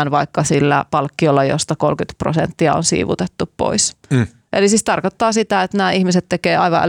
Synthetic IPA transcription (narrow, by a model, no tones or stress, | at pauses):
nʋɑikːɑsilːæ̰pɑlkːiolːɑjo̰st̪ɑkolkyt̪pro̰sḛnt̪ːiɑo̰nsḭːʋṵt̪et̪ːuppo̰is | ʔelisiːst̪ɑrkot̪ːɑːsit̪æet̪næːihmiset̪t̪ːekeːɑiʋɑ̰ʔæ̰